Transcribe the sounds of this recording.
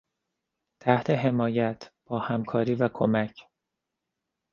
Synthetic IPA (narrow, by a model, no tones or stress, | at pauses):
t̪ʰæht̪ʰe̞ɦe̞mɒːjæt̪ʰb̥ɒːhæmkʰɒːɾiːvækʰomæcʰ